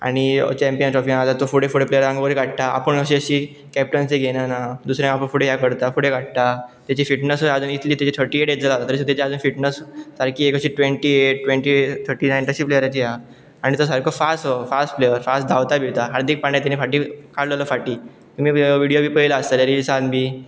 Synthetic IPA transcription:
a̰ɽ̃it͡ɕɛ̃mpijənʈɾɔfĩalat̪ːofuɽefuɽeplejəɾãŋɡʋəɾeɡaɽt̪aa̰pəɳəɕiəɕiː | kɛp̚ʈənseɡʱenanad̪usɾjãapəɳfuɽeɦjakəɾt̪afuɽeɡaɽ̚t̪at̪jat͡ɕifiʈnəsəad͡zuːnit̪liːt̪jat͡ɕit̪ʰəɾʈiːeʈeʈ̚d͡zəlat̪at̪əɾset̪jat͡ɕiad͡zuːnfiʈnəssaɾkiːekəɕiːʈʋeɳʈieʈ̚ːʋẽɳʈit̪ʰəɾʈiːnajnt̪əɕiːplejəɾat͡ɕiɦa | aɽ̃it̪əsaɾkʰofasʈɦofasʈflejəɾfast̚d̪ʱaʋt̪abʱiʋt̪aɦaɾd̪ik̚paɳɖjãt̪̬anefaʈiːkaɽlələfaʈiː | t̪um̤iːʋiɽijobiːpəɦilaːst̪aleɾilsãnbiː

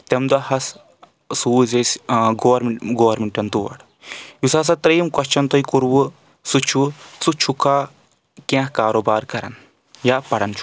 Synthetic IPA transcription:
t̪ɐmd̪ɐhɐs | suːzesɡoːɐɾmɡoːʋɐɾmiɳʈɐnt̪uʋɐ̰ɽ | jusaːs̬ɐt̪ɾiːmkɐʃt͡ʃʰɐnt̪ɐikuɾwu | sut͡ʃʰut͡sut͡ʃʰukaː | kẽɦkaːɾoːbaːɾkɐɾɐ̰n | jaːpɐɽɐnt͡ʃʰu̥

